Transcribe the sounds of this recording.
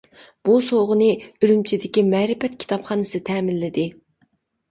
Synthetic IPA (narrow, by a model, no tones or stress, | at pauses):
b̥usoʁʊnɨyɾymt͡ʃʰid̪ɪkʲimɛːɾɪfɛt̪kʲʰi̥t̪ʰɑpχɑːnɨst̪ʰɛːmɪlːɪd̪ɪ